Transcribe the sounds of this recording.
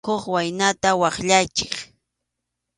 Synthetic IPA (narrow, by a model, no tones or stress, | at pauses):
oχwajnat̪awɑχʎajt͡ʃɪ̥χ